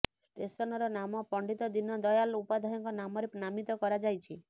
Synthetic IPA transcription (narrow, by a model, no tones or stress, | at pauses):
sʈesɔnɔɾɔnamɔpɔɳɖit̪ɔd̪inɔd̪ɔjalupad̪ʱajɔŋkɔnamɔɾenamit̪ɔkɔɾad͡ʒajt͡ʃʰi